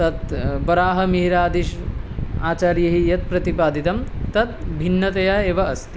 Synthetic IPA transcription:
t̪ɐt̪bɐɾaːɦɐ̆miɦiɾaːd̪iʃ | aːt͡ʃaːɾjɐɦijɐt̪̚pɾɐt̪ipaːd̪it̪ɐmt̪ɐt̪̚bʱinːɐt̪ɐjaeːʋɐɐst̪i

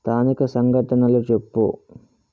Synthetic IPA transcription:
t̪ʰaːnikɐsɐŋɡʱɐʈɐnɐlut͡ʃepːṵ

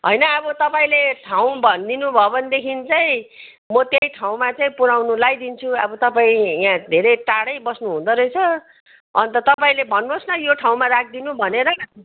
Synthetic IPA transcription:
ɦʌjnʌːbʌt̪ʌpaĩleʈʰaw̃bʱʌnd̪inubʱʌbʌnd̪ekʰint͡saĩ | mʌt̪jejʈʰaw̃mat͡saĩpuɾawnulajd̪int͡sʰuʌ̰bʌt̪ʌpaĩjãd̪ʱeɾʌjʈaɽʌjbʌsnuɦũnd̪ʌɾʌjt͡sʰʌ | ʌnt̪ʌt̪ʌpaĩlebʱʌnːuosnʌjoʈʰaw̃maɾak̚ʰd̪inubʱʌneɾʌ

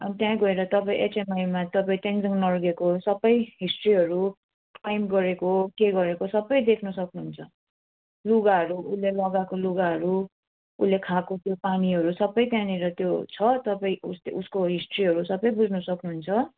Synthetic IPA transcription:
ʌnit̪jãɡʌeɾʌt̪ʌpaĩʔet͡semajmat̪ʌpaĩt̪eŋd͡zʌŋnʌrɡekosʌbʌjɦisʈriɦʌɾu | ajmɡʌɾekokeɡʌɾekosʌbʌjd̪ekʰnʌsʌknuɦunt͡sʰʌ | luɡaɦʌɾuulːelʌɡakoluɡaɦʌɾu | ṵlekʰakot̪jopaniʌɾusʌbʌjt̪jãniɾʌt̪jot͡sʰʌt̪ʌpaĩusleuskoɦisʈriɦʌɾusʌbʌjbud͡zʱnʌsʌknuɦunt͡sʰʌ

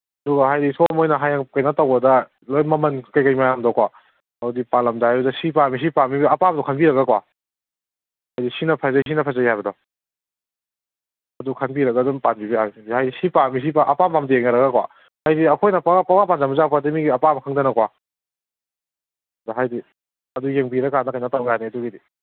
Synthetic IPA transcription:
ɐduɡɐɦajdisɔmojnɐɦajakajnɐtawɐdɐ | lojmɐmɐnkajkajmajamdɔkwa | ɐwdipalɐmzabɐdɐsipamis̬ipamibiɐpabdɔkʰanbiɾɐɡakwa | hajdisinɐpʰazas̬inɐpʰazajajbɐdɔ | ɐdukʰanbiɾɐɡadɔmpanbibiahajdisipamis̬ipaʔɐpampamdijeŋnaɾɐɡakwa̰ | hajdiɐkʰojnɐpaŋapamapanzamuzapadimiɡiɐpamɐkʰaŋdanɐkwa | daɦajdi | ɐdujeŋbiɾɐkanakajnatawɡjaniɐduɡidi

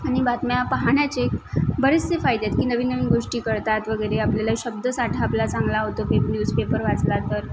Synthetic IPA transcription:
añibat̪mjapaɦaɳjat͡sekbəɾet͡st͡sefajd̪jet̪kiːnəʋiːnːəʋiːnɡoʂʈiːkəɾt̪at̪ʋəɡəjɾeapljalaɕəb̚d̪əsaʈʰaːplat͡saŋɡlaɦot̪opepnjuːd͡zpepəɾʋat͡slat̪əɾ

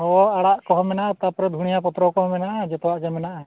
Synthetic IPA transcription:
ɦɔaɽaʔkɔɦɔmɛnaʔat̪apɔɾɛd̪ʱuɽ̃ijapɔt̪ɾɔkɔɦɔmɛnaʔad͡ʒɛt̪ɔwaʔd͡ʒɛmɛnaʔa

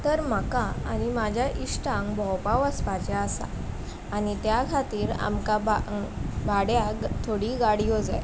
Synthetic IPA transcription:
t̪əɾm̤akaa̰nimad͡ʑʱjaʔiʂʈãŋkbʱɔwpaʋəspat͡ɕaasa̰ː | nit̪jakʰat̪iːɾa̰mkababʱaɽjat̪ʰoɽiːɡaɽiːɦod͡za̰j

